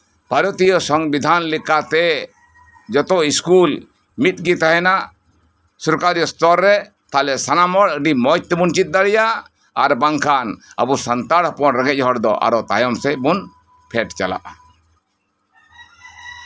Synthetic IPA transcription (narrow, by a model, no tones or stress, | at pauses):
paɾɔt̪ijɔsɔŋbid̪ʱanlikat̪ɛ | d͡ʒɔt̪ɔiskul | mit̪̚ɡit̪aɦɛnaʔ | sɔɾkaɾijɔst̪ɔɾːɛ | t̪alɛsanamɔɽək̚ɖimɔjt̪ɛbunt͡ʃit̪̚d̪aɽija | aɾbaŋkʰana̰busant̪aɾɦɔpɔnɾɛɡɛc̚ˀɦɔɽd̪ɔʔa̰ɾɔt̪ajɔmsɛbun | pʰɛʈt͡ʃala̰ʔ